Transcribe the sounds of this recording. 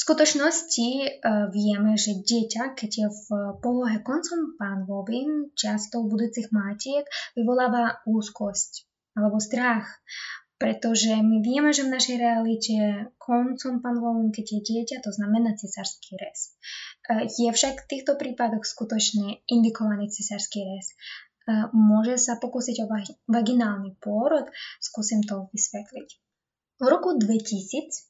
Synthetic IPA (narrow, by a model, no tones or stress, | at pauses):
skut̪ɔt͡ʃnɔsciʋɪɛmɛʒɛɟɪɛcakɛɟjɛfpɔlɔɦɛkɔnt͡sɔmpaːnʋɔʋimt͡ʃast̪ɔʊbud̪uːt͡siɣmaːcɪɛkʋiʋɔlaːʋauːskɔsc | alɛbɔst̪ɾaxpɾɛt̪ɔʒɛmiʋɪɛmɛʒɛvnaʃɛjɾɛalicɛkʰɔnt͡sɔmpaːnlɔlinkɛɟjjɛɟɪɛcat̪ɔznamɛnaːt͡sɛsaɾskiɾɛst̪ | jɛfʃakft̪iːxt̪ɔpɾiːpad̪ɔxskut̪ɔt͡ʃɲɛind̪ikɔʋaniːt͡sɛsaɾskiɾɛs | mʊɔʒɛsapɔkusiɟɔʋaɡinaːlnipʊɔɾɔt̪skusimt̪ɔʋisʋɛt̪lic | uɾɔkud̪ʋɛcisiːt͡s